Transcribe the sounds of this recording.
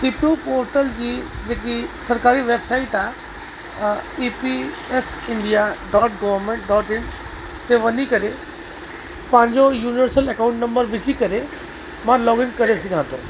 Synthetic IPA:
sipiupoːɾʈəld͡ʑiːd͡ʑeːkisɐɾkaːɾiʋeːbsaːɪʈaː | iːpi | epʰɪ̃ɳɖijaɖɔːʈ̚ɡɔʋəɾmẽɳʈ̚ɖɔːʈɪ̃n | t̪eʋɐnikɐɾe | pãːɲd͡ʑojuːnɪʋəɾsəlɛkãʊ̃ɳʈnɐ̃mbəɾʋɪt͡ʃikɐɾe | mãlɔːɡɪ̃ŋkɐɾesɪɡʱãːt̪ʰõ̰

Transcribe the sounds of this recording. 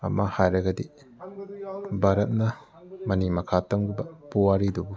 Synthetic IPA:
ɐ̰mahajɾɐɡɐdi | bʱaɾɐt̚nɐ | mɐnimɐkʰatɐmɡubɐpuwaɾidubu

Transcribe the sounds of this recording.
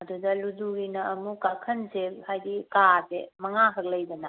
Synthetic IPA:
ɐdudɐluzuɡinɐːmukakʰɐnselhajdikasemɐŋakʰɐk̚lɐjdɐnɐ

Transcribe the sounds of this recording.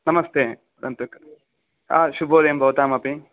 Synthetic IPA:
nɐmɐst̪eː | ɾɐnt̪uk | a̰ʃubʱoːɾɐjɐmbʱɐʋɐt̪aːmɐpi

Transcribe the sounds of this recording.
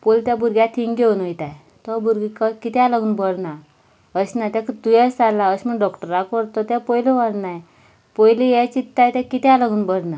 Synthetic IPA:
polt̪jabuɾɡjat̪ʰiŋɡeunojt̪aj | t̪ɔbuɾɡikakit̪alaɡuːnbəɽna | əɕnat̪akt̪ujɛst͡s̪alaəɕməɳɖɔkʈəɾakɔɾt̪ɔt̪apɔilɔʋaɽnaj | pɔjlijɛt͡ɕit̪ːajt̪akit̪alaɡuːnbəɽna

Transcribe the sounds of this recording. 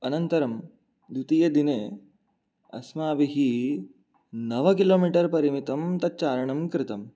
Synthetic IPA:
ɐnɐnt̪ɐɾɐm | d̪ut̪ijed̪ineː | ɐ̰smaːʋiɦiː | nɐʋɐkiloːmiːʈɐɾpɐɾimit̪ɐmt̪ɐt͡ʃaːɾɐɳɐmkɾɪt̪ɐm

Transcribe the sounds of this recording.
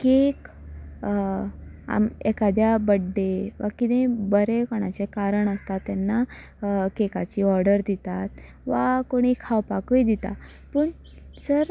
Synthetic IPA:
kek | a̰mekad̪jabəɖːeʋakid̪ebəɾekɔɽ̃a̰t͡ɕekaɾəɳəst̪at̪ːjanːa | kekat͡ɕiːɔɾɖəɾd̪it̪at̪̚ | ʋakoɽ̃ikʰawpakujd̪it̪a̰ | pəːɳ | səɾ

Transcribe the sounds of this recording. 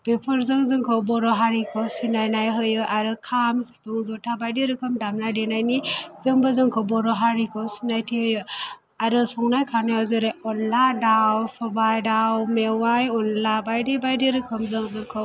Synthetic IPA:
b̥epʰɔɾzɯŋzɯŋkʰəwbɔɾɔɦaɾikʰəwsinajnajɦəjɯʔaɾɯkʰamsbuŋzɔtʰabajdeɾɯkʰəmdamnajdenajnizəŋbəzɯŋkʰəwbɔɾɔɦaɾikʰəwsinajtʰiɦəjɯ | aɾɯsɔŋnajkʰanajɦɔzɯɾeɔnladawsɔbajɖawmewajɔnlabajdebajdeɾɯkʰəmzəŋzɯŋkʰə

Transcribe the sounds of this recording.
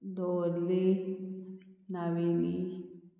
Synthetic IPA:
d̪oɾle | naʋini

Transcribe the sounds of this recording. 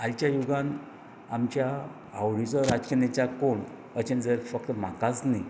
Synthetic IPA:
alt͡ɕjajuɡãn | amt͡ɕja | awɽit͡sɔɾad͡zkenet͡ɕakoɳ | ət͡ɕend͡zəɾfək̚t̪əmakat͡sni

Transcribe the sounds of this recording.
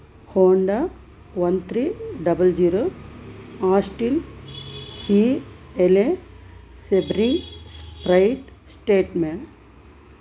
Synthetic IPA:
hoːɳɖa | ʋɐnt̪ʰɾiːɖɐbəld͡ʒiːɾo | aːsʈil | hiele | sebɾispɾɐjʈsʈeːʈmẽ

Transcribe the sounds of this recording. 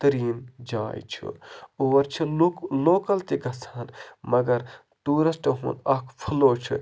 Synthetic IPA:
t̪ɐɾiːnd͡ʒa̰ːjt͡ʃʰḭuʋɐɾt͡ʃʰiloːkɐlt̪iɡʱɐsɐːnmɐɡɐɾ | t̪uːɾɐsʈɐɦṵ̃ːnɐkʰpʰɐloːt͡ʃʰḭ

